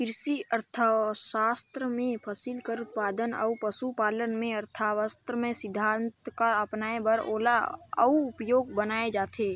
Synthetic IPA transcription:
kɪɾsiəɾt̪ʰaʃaːst̪ɾəmẽpʰəsɪlkəɾut̪paːd̪ənə̰upəsupaːlənmẽɐɾt̪ʰaːʋəst̪ɾəmẽsɪd̪ʱːãːnt̪kaɐpnaːebəɾoːlaə̰uʊpjoːɡbənaːed͡ʒaːt̪ʰeː

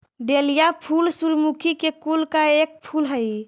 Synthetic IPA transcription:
d̪elijapʰulsuɾmukʰikekulkaek̚pʰulɦəj

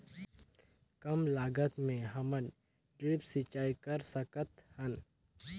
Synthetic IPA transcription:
kɐmlaːɡət̪mẽɦɐmən | ʈɾiːpsit͡ʃaːikɐɾsəkət̪hən

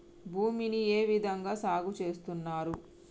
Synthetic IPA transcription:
bʱuːminieːʋid̪ʱɐŋɡaːsaːɡut͡ʃe̞ːst̪unːaːɾu

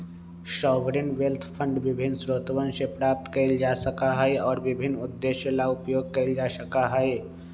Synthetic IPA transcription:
ʃɔːʋɾɪnʋelt̪ʰpʰə̃ɳɖʋɪbʱɪnːsɾoːt̪ʋənʃepɾaːp̚t̪kəɪld͡ʒaːsəkaɦəeɔːɾʋɪbʱɪnːʊd̪ːeʃjəlaʊpjoːɡ̚kəɪld͡ʒaːsəkaɦəe

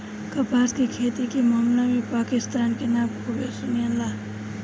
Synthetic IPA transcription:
kɐpaːskikʰeːt̪ikimamlamipaːkɪst̪aːnkenãːmkobesuniəla

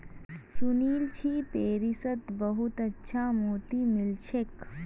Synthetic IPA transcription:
suniːlt͡ʃʰipeːɾisət̪bɐɦut̪ɐtːʃʰamoːt̪imɪlt͡ʃʰek

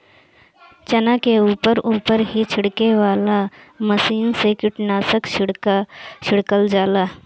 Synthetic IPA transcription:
t͡ʃənakeuːpəɾʔuːpəɾɦit͡ʃʰɪɽkeʋaːlaməsiːnsekɪʈnaːsəkt͡ʃ | t͡ʃʰɪɽkəld͡ʒaːlaː

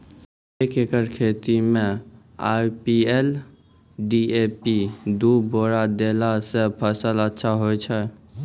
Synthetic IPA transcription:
eːkekəɾkʰeːt̪imẽ | a̰ːjpiɛl | ɖieːpid̪uboːɾad̪eːlasepʰəsələtːʃʰaɦoːɛt͡ʃʰɛ

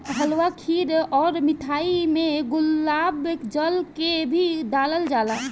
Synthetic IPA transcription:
ɦəlwakʰiɾɔːɾmɪt̪ʰaːimẽɡʊlːaːbekd͡ʒəlkebʱid̪aːləld͡ʒala

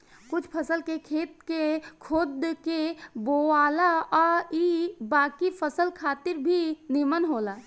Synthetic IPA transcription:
kʊt͡ʃʰpʰəsəlkekʰeːt̪̚kekʰoːd̪keboaːlaɔibaːkipʰəsəlkʰaːt̪ɪɾbʱinimənɦoːla

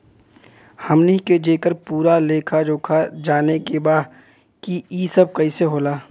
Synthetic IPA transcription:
hɐmneiked͡ʒeːkəɾpuːɾaleːkʰad͡ʒoːkʰad͡ʒaːnekebaːd̪ | kiiːsəb̚kɐiseɦoːlaː

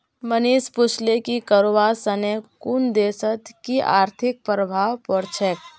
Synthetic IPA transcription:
məniːspʊt͡ʃlekikəɾoʋasənekund̪eːsət̪kiʔa̰ːɾt̪ʰɪk̚pɾəbʱaːwpɔɾt͡ʃʰɛk

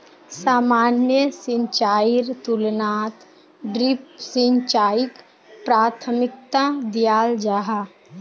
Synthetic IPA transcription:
saːmaːnjəsɪ̃ɲt͡ʃaːɪɾt̪ulnaːt̪ | ɖɾɪpsĩɲt͡ʃaːɪk | pɾaːt̪ʰəmɪk̚t̪ad̪ijaːld͡ʒaːɦa

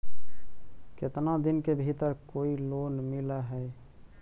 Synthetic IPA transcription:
ket̪nad̪inkebʱit̪əɾkoilonmiləɦəj

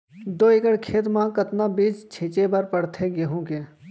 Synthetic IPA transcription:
d̪oːɪkəɽkʰeːt̪mãkət̪nabiːt͡ʃt͡ʃʰit͡ʃebəɾpəɽt̪ʰeɡeɦũːkeː

